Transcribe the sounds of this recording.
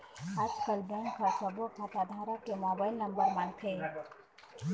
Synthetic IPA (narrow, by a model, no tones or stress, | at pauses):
ad͡ʒkəlbenkʰəɾsəbokʰat̪ad̪ʱaɾaʈemɔbaɪlnəmbəɾmant̪ʰe